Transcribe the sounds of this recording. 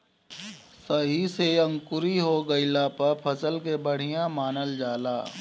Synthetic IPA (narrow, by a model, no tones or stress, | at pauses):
səɦiseɐ̃ŋkʊɾiɦoɡəilaːpəɾpʰəsəlkebəɽ̤ijãmaːnəld͡ʒaːlaː